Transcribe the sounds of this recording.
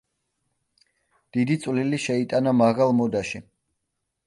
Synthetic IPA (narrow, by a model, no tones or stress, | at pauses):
d̪̥id̪it̪sʼwliliʃɛit̪ʼanamaʁalˠmɔd̪aʃi